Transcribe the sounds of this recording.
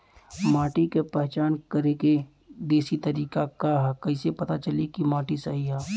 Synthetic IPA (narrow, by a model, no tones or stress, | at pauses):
maːʈikepɛɦt͡ʃaːnkɐɾeke | d̪eːsit̪ɐɾiːkakaɦɛkɐɦisepɐt̪at͡ʃɐlikimaːʈisɐɦiɦɛː